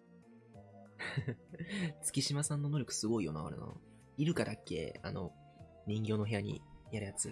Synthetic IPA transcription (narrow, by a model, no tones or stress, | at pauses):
t͡sɨ̥kʲiɕimasãnːo̞no̞ɾʲo̞kɯ̥sɨɡo̞ijo̞na̰o̰ɾena̰ | iɾɯ̟kaɾakːe̞̰ːa̰no̞ | mʲĩŋɡʲo̞ːno̞ɦe̞aɲ̟ḭjaɾɯjat͡sɨ